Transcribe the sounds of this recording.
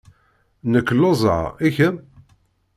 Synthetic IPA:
nəkːlozˤə̰içə

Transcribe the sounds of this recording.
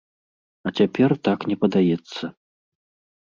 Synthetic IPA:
ɐt͡sʲapʲɛrt̪aknʲɛpɐd̪ajɛt̪sːɐ

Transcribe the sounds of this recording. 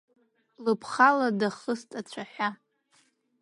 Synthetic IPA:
lɨpʰχaladaχəstʼat͡ɕʷʰaħʲʷᶣa

